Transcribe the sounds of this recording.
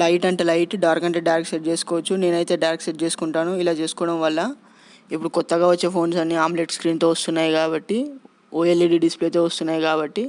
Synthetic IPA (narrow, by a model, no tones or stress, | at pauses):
lɐjʈɐɳʈelɐjʈɖaːɾkɐɳʈeːɖajɾkseʈ̚t͡ʃe̞ːsu̥kɔːʋɐt͡ʃːune̞ːnɐjt̪e̞ːɖɐjɾekseʈ̚t͡ʃe̞ːsu̥kuɳʈaːnuilaːt͡ʃe̞ːsu̥kɔːʋɐɽɐmʋɐlːɐ | ipːuɽukɔt̪ːɐɡaːʋɐt͡ʃːe̞ːpʰo̞ːnsɐnːiaːmbleʈskɾiːnt̪o̞ːʋɐst̪unːaːjikaːbɐʈːi | oːjelːiɖiɖispleːt̪oːʋɐst̪unːaːjikaːbɐʈːi